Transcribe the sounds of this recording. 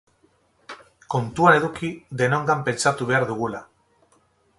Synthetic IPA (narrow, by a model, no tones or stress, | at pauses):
ko̞nt̪uane̞ðukiðe̞no̞ŋɡampe̞nt͡sat̪uβ̞e̞aɾðuɣ̞ula